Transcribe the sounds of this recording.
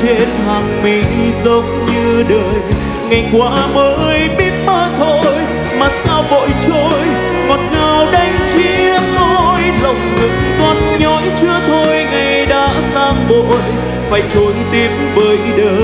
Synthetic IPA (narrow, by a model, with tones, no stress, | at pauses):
t͡ɕe˧nɦaː˨˩ŋmi˨˩ŋzə˨˦ŋ͡mɲɨ˧ɗəː˨˩j | ŋa˨˩jkwaː˨˦məː˨˦jɓi˦˥t̚ɓaː˧t̪ʰo˧˨j | maː˨˩saː˧wvo̰˧˨jt͡ɕo˧j | ŋɔ˨˩t̚ŋaː˨˩wɗa˧jŋ̟t͡ɕi˧˥əmɔ˧jlə˨˩wŋ͡mnɨ̰˨ŋt̪wɔ˧˩n̚ɲɔ˨˦jt͡ɕɨ˧ət̪ʰo˧jŋa˨˩jɗa̰ː˧˥saː˧ŋɓo˨˧˨j | faː˨˩jt͡ɕo˨˦jt̪i˨˧˦əmvəː˨˦jɗəː˧˩